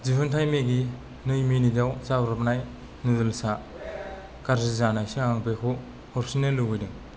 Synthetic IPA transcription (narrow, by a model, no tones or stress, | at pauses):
zibɯntʰajmeɡi | nɯjminidawzawɾapnaj | nɯdɯlsa | kaɾsizanajsiŋaŋpekʰɔ | hɔɾsinelːɯɡɯjdɯŋ